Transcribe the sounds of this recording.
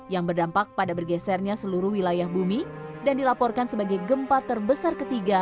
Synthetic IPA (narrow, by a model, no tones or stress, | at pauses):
jaŋbərdampak̚padabərɡɛsɛrɲasəluɾuhwilajahbumidandilapɔrkansəbaɡajɡəmpat̪ərbəsarkət̪iɡa